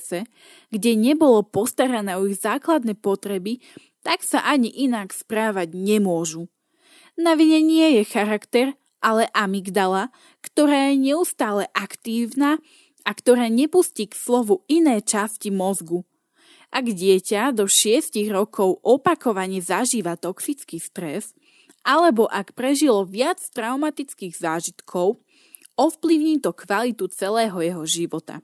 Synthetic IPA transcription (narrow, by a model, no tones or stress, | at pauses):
sɛ | ɡɟɛɲɛbɔlɔpɔst̪aɾanɛɔiɣzaːklad̪nɛːpɔt̪ɾɛbi | t̪aksaʔaɲiʔinakspɾaːʋaɟɲɛmʊɔʒu | naʋiɲɛɲɪɛjɛxaɾakt̪ɛɾ | ʔalɛʔamiɡd̪ala | kt̪ɔɾaːjɛɲɛust̪aːlɛʔakt̪iːʊna | akt̪ɔɾaːɲɛpusciːkslɔʋuinɛːt͡ʃascimɔzɡu | ʔaɡɟɪɛcad̪ɔʃɪɛsciɣɾɔkʰɔʊʔɔpakɔʋaɲɛzaʒiːʋat̪ɔksit͡skiːst̪ɾɛs | ʔalɛbɔʔakpɾɛʒilɔʋɪat͡st̪ɾaʊmat̪it͡skiːɣzaːʒit̪kʰɔʊ | ɔfpliʊɲiːt̪ɔkʋalit̪ut͡sɛlɛːɦɔjɛɦɔʒiʋɔt̪a̰